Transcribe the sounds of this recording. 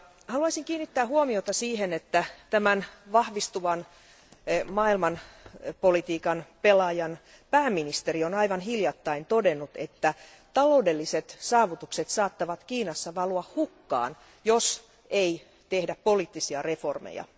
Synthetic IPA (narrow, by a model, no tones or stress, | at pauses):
hɑluɑisiŋkiːnːit̪ːæːhuomiot̪ɑsiːhenet̪ːæt̪æmænʋɑhʋist̪uʋɑn | mɑːilmɑnpolit̪iːkɑnpelɑjɑn | pæːmːinist̪erionɑiʋɑnɦiljɑt̪ːɑint̪odenːut̪et̪ːæ | t̪ɑloudelːiset̪sɑːʋut̪ukset̪sɑːt̪ːɑʋɑt̪kiːnɑsːɑʋɑluɑhhukːɑ̰ːn | jos | ei | t̪ehdæppoliːt̪ːisiɑreformḛjɑ̰